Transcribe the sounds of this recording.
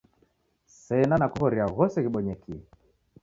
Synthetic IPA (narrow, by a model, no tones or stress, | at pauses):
sɛnanakuɣɔɾiaɣɔsɛɣiɓɔɲɛkiɛ